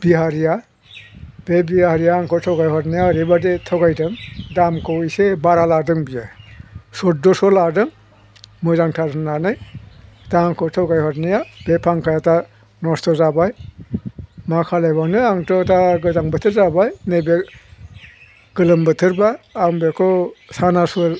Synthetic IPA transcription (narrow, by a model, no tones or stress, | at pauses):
b̥iɦaɾija | b̥ebiahaɾijaŋkʰɔtʰɔwɡajɦɔɾnijaɾibadetʰawɡajdɯŋdamkʰɔwisebaɾaladɯŋbija | sɔt̚dɔsɔladɯŋ | mɯzaŋtʰaɾɯnanɯj | taŋkʰɔtʰɔwɡajɦɔtnijab̥epʰaŋkʰajata | nɔstɔzabaj | makʰalajbawnɯaŋtɔtaɡɯzaŋbɯtʰɯɾzabajnɯbe | ɡ̥ɯlɯmbɯtʰɯɾbaːŋbekʰɔsanasɔl